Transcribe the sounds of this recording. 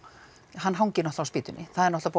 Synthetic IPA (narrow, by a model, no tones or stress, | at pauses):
ɦanːɦawɲcɪɾnɔht̪awspiːt̪ʏnːɪ̰θaðɛɾnɔht̪ap